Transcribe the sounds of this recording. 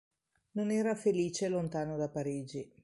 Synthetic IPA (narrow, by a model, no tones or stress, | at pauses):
nonɛːɾafeliːt͡ʃelont̪aːnod̪apːaɾiːd͡ʒi